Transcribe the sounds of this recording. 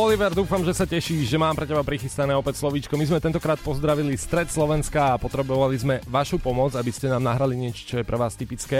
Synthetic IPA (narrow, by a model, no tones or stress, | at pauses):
ɔliʋɛɾd̪uːfamʒɛsacɛʃiːʒɛmaːmpɾɛcɛbapɾixist̪anɛːɔpɛcslɔʋiːt͡ʃkɔmizmɛt̪ɛnt̪ɔkɾaːt̪̚pɔzd̪ɾaʋilist̪ɾɛt̪slɔʋɛnskaːpɔt̪ɾɛbɔʋalizmɛʋaʃupɔmɔd͡zabiscɛnaːmnaɦɾaliɲɪɛt͡ʃɔ̥t͡ʃɔjɛpɾɛʋaːst̪ipit͡skɛː